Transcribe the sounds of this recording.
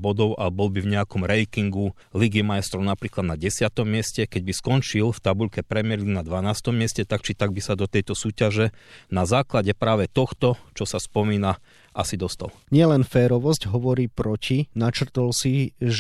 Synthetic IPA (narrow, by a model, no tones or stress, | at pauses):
bɔd̪ɔʊʔabɔlbivɲɛakɔmɾɛjkiŋɡu | liɡimaɛst̪ɾɔʊnapɾiːklad̪naɟɛsɪat̪ɔmːɪɛscɛkɛɟbiskɔnt͡ʃilft̪abuʎkɛpɾɛmɪɛɾlinad̪ʋanaːst̪ɔmːɪɛscɛt̪akt͡ʃit̪aɡ̚bisad̪ɔt̪ɛjt̪ɔsuːcaʒɛnazaːklaɟɛpɾaːʋɛt̪ɔxt̪ɔt͡ʃɔsaspɔmiːna | ʔasid̪ɔst̪a̰lɲɪɛlɛnfɛːɾɔʋɔscɦɔʋɔɾiːpɾɔcinat͡ʃr̩t̪ɔlsiʒ